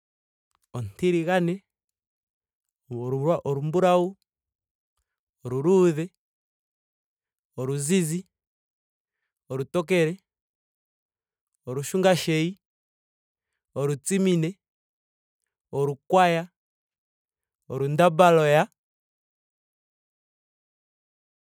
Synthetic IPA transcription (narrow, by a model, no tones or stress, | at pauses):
ontiɾiɣanɛ | aʔoɾumbuɾau | oɾuɾuðɛ | oɾuzizi | oɾutok̬ɛɾɛ | oɾuʃuŋɡaʃɛi | oɾut͡siminɛ | oɾukwaja | oɾundabalɔja